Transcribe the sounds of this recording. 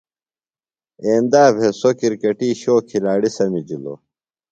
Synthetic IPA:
eːnd̪aːbʱesokiɾkɐʈiːɕoːkʰilaːɽisɐmid͡ʑilo̰

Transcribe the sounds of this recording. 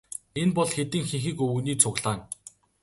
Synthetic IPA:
enpɔɮxet̪ɘ̆ŋxiŋxiːkɵɵ̆niːt͡sʰʊɣɮaːn

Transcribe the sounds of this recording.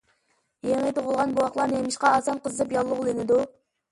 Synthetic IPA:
jeŋit̪ʰoʁʊlˠʁɑnbuɑqlˠɑɾnɨemɪʃqɑːsɑnqəzɨɨpjɑlˠːʊʁlˠynɪd̪u

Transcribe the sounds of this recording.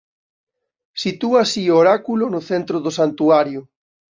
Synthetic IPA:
sit̪uasioɾakulonʊθent̪ɾoðosant̪uaɾjʊ

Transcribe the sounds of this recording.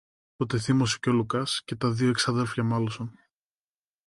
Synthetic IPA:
t̪ot̪eθimosi̥colukɐsce̞t̪ɐðioeksɐðe̞lfçɐmɐloson

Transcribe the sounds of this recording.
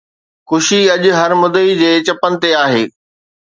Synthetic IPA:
xʊʃiɐʄʊ̆ɦɐɾmʊd̪əid͡ʑeːt͡ɕɐpənɪ̆t̪eaːɦḛː

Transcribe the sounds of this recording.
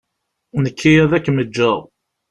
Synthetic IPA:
nəkʰːijæðækːməd͡ʒːæ

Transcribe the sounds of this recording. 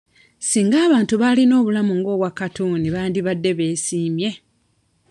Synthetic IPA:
siːŋɡaːβaːntuβalino̞ːβulamuŋɡo̞ːβwakatuniβaːndiβadːe̞βe̞ːsiːmje̞

